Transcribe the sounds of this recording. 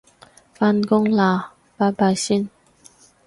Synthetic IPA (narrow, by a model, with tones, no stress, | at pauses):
fa˧nkʊ˥ŋla˨˩ | pa˧˥ba˧˩jsi˦˥n